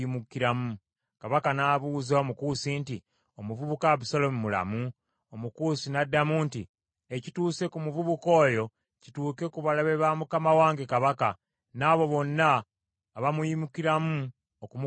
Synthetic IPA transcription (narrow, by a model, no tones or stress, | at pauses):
imukiɾamu | kaβakanaːβuːzaomukusinti | o̞muvuβukaβisolomumula̰mu | omukuːsinadːamuːnti | ecituːse̞kumuvuβuko̞ːjo̞ | ci̥tuːke̞kuβalaβeβamukamawaːŋɡe̞kaβaka | naːβo̞βo̞nːaː | βamujimukiɾamu | okum